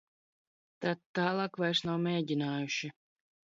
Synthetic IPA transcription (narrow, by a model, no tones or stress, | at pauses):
t̪at̪ːaːlˠaːkvajɾsnawmʲeːɟʲinaːjuʃi